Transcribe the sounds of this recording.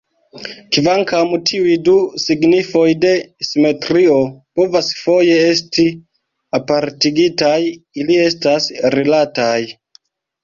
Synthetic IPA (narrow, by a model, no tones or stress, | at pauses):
kivaŋkamtʰiujdusiɡnifo̞jde̞sime̞tɾio̞po̞vasfo̞je̞e̞sti | apaɾtiɡitajilie̞stasɾelataj